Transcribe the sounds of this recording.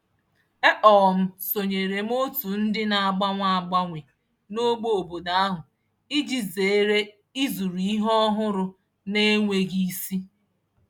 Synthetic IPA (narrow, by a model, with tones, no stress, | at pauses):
e˦ʔɔ˨m̩˦so˨ɲe˨ɾe˨m̩˦o˦tu˨n̩˦dɪ˦na˨a˨ɡ͡ba˦ŋʷa˦˨ɡ͡ba˦ŋʷe˨ | no˦ɡ͡bo˦o˨bo˨da˨a˦ɦʊ˨ | i˦d͡ʒi˦ze˨e˦ɾe˦ | i˦zu˨ɾu˨i˦ɦɔ˦ɦʊ˦ɾʊ˨ | ne˦ŋʷe˨ɡi˦si˦